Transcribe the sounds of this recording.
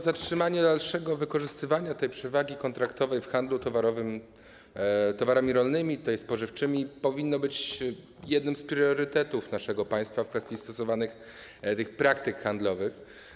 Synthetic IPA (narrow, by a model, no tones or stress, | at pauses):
zatʂɘmaɲɛd̪alʂɛɡɔvɘkɔʐɘst̪ɘvaɲat̪ɛjpʂɛvaɡʲikɔnt̪ɾakt̪ɔvɛjfxand̪lut̪ɔvaɾɔvɘm | t̪ɔvaɾamʲiɾɔlnɘmʲit̪ut̪ajspɔʐɘft͡ʂɘmʲipɔvʲinːɔbɘt͡ɕ | jɛd̪nɘmspɾʲjɔɾɘt̪ɛt̪ufnaʂɛɡɔpaj̃st̪fafkfɛst̪ʲjist̪ɔsɔvanɘx | t̪ɘxpɾak̚t̪ɘkxand̪lɔvɘx